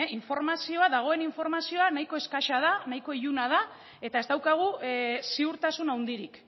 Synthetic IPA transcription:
iɱfo̞ɾmasio̞aðaɣ̞o̞e̞niɱfo̞ɾmasio̞anajko̞e̞skaʃað̞anajko̞iʎunað̞a | e̞t̪ae̞zd̪awkaɣ̞usiuɾt̪asunawnd̪iɾik

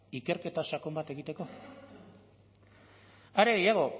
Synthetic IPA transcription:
ike̞ɾke̞t̪asako̞mbat̪e̞ɣ̞it̪e̞ko̞ | aɾe̞ɣejaɣ̞o̞

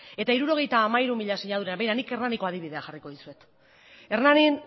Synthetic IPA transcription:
e̞t̪aiɾuɾo̞ɣ̞e̞jt̪aːmaiɾumiʎasiɲaðuɾenβejɾanike̞rnaniko̞aðiβ̞iðeaxariko̞ðisue̞t̪ | e̞rnanin

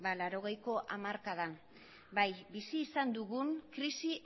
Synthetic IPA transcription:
balaɾo̞ɣ̞ejko̞ʔamaɾkaðan | bajbisiːsand̪uɣunkɾisi

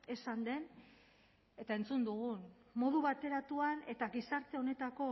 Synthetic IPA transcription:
e̞sand̪e̞n | e̞t̪ae̞nt͡sund̪uɣunmo̞ðuβat̪e̞ɾat̪uane̞t̪aɣisaɾt̪e̞o̞ne̞t̪ako̞

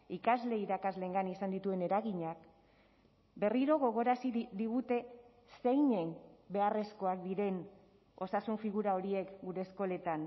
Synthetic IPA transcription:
ikazle̞iɾakazle̞ːŋɡanisand̪it̪ue̞ne̞ɾaɣiɲak | be̞riɾo̞ɣo̞ɣ̞o̞ɾasid̪iɣut̪e̞ | se̞jɲe̞nbe̞are̞sko̞akd̪iɾe̞n | o̞sasuɱfiɣuɾao̞ɾie̞kɡuɾe̞sko̞le̞t̪an

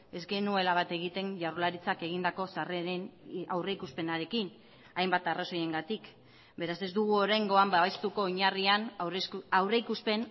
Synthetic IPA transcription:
e̞zɡe̞nue̞laβ̞at̪e̞ɣit̪e̞nʝawɾlaɾit͡sake̞ɣ̞ind̪ako̞sareɾenawre̞ikuspe̞naɾe̞kin | ajmbat̪araso̞je̞ŋɡat̪ik | be̞ɾase̞zd̪uɣ̞uo̞ɾajŋɡo̞ambaβajst̪uko̞ːoɲarian | awreikuspe̞n

